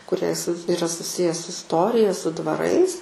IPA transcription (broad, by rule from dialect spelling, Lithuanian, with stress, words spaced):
kʊˈrʲiɛ s ɪˈrɐ sʊˈsʲɪjɛ sʊ ɪsˈtoːrʲɪjɛ sʊ dʋɐˈrɐɪs